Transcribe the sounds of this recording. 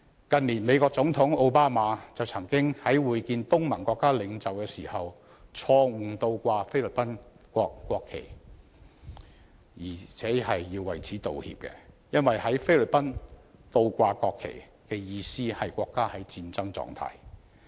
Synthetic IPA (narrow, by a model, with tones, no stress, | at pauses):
kɐ˨nliː˨˩nme˨˧jkɔː˧k̚t͡sʊ˨˥ŋt̪ʰʊ˨˥ŋo˧wpaː˥maː˨˧t͡sɐ˨wt͡sʰɐ˨˩ŋkɪ˥ŋhɐ˨˥jwuː˨˧jkiː˧nt̪ʊ˥ŋmɐ˨˩nkʷɔː˧kːaː˥lɪ˨˧ŋt͡sɐ˨wkɛː˧siː˨˩hɐ˨w | t͡sʰɔː˧ŋ̩˨˩t̪o˧wkʷaː˧fe˥jly˨˩pɐ˥nkʷɔː˧kːʷɔː˧kʰːḛ˨˩j | jiː˨˩t͡sʰɛː˨˥hɐ˨jːiː˧wːɐ̰˨jt͡sʰiː˨˥t̪o̰˨whḭ˧p̚kɛ̰˧jɐ˥nwɐ˨jhɐ˨˥jfe˥jlɪ˨˩pɐ˥nt̪o˧wkʷaː˧kɔː˧kʰːḛ˨˩ | kɛ˧jiː˧siː˥hɐ˨jkʷɔː˧kːaː˥hɐ˨˥jt͡siː˧nt͡sɐ˥ŋt͡sɔ̰ː˧ŋt̪ʰa̰ː˧˥j